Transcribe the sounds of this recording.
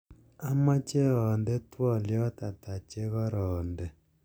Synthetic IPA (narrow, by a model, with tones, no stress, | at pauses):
a˦ma˦t͡ʃe˦ɔ˨ndɛ˦twɔ˦˨ljɔ˦ta˨ta˨t͡ʃe˦ɣɔ˦ɾɔː˨ndɛ˨